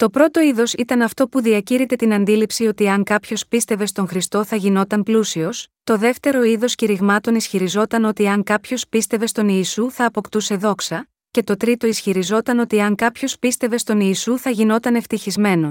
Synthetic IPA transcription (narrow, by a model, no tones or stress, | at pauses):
t̪o̞pɾo̞t̪o̞iðo̞sit̪ɐnɐft̪o̞puðiɐciɾit̪e̞t̪inɐnd̪ilipsio̞t̪iɐŋkɐpço̞spist̪eve̞st̪o̞ŋxɾist̪o̞θɐʝino̞t̪ɐmplusio̞st̪o̞ðe̞ft̪e̞ɾo̞iðo̞sciɾiɣmɐt̪o̞nisçiɾizo̞t̪ɐno̞t̪iɐŋkɐpço̞spist̪e̞ve̞st̪o̞niːsuθɐːpo̞kt̪use̞ðo̞ksɐ | ce̞t̪o̞t̪ɾit̪o̞isçiɾizo̞t̪ɐno̞t̪iɐŋkɐpço̞spist̪e̞ve̞st̪o̞niːsuθɐʝino̞t̪ɐne̞ft̪içizme̞no̞